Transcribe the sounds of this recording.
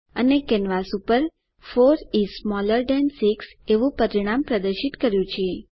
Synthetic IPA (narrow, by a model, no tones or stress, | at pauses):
ənekɛnʋasupəɾ | foɾismɔləɾɖɛnsikseʋũpəɾiɽ̃ampɾəd̪əɾʃit̪kəɾjũt͡ʃʰe